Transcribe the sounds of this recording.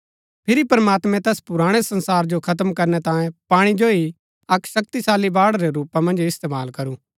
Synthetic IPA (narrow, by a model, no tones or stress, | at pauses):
pʰɪɾipɐɾmaːt̪mɛ̃t̪ɛːspʊɾaːɽ̃esɐ̃nsaːɾd͡ʒokʰɐt̪̬əmkɐɾnɛt̪ãːjẽpaːɽ̃id͡ʒoi | ɐkʃɐk̚t̪isaːlibaːɽɾeɾuːpamɐ̃nd͡ʒɪst̪eːmaːlkɐɾũː